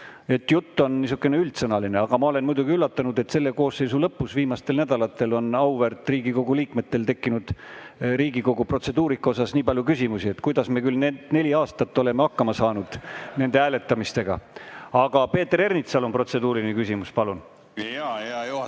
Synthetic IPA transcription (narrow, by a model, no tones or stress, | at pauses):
e̞t̪ːjut̪ːo̞nnis̬ukːˑeneylt̪sɤnɑline̞ɑɡ̥ɑmɑo̞le̞nmujd̪uɡ̥iylːɑt̪ːˑɑnud̪̥e̞t̪se̞lːe̞ko̞ːsːe̞jsulɤpːusviːmɑst̪e̞lnæd̪̥ɑlɑt̪ːˑe̞lo̞nɑwvert̪riːɡiko̞ɡuliːkme̞t̪ːe̞lt̪e̞kːinud̪̥ɾiːɡiko̞ɡ̥upro̞t̪se̞d̪uːɾikːˑo̞s̬ɑsniːbɑljukysʲimusie̞t̪kujd̪ɑsmekylnene̞lʲiɑːst̪ɑt̪ːo̞le̞meɑkːɑmɑsɑːnud̪̥ne̞nd̪̥eæːle̞t̪ːˑɑmist̪e̞ɡ̥ɑ̰ɑɡ̥ɑpeːt̪ːeɾe̞rnit̪sɑlo̞npro̞t̪se̞d̪uːɾinekysimuspɑlun